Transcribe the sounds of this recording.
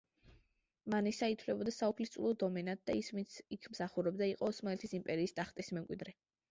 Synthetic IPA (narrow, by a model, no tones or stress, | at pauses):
manisait̪ʰvlɛbɔd̪asaupʰlist̪sʼṵlˠɔd̪ɔmɛnat̪̚d̪aisvint̪sʰikʰmsaχuɾɛbd̪aiqʼɔːsmalɛt̪ʰisimpʼɛɾiːst̪ʼaχt̪ʼismɛmkʼwid̪ɾɛ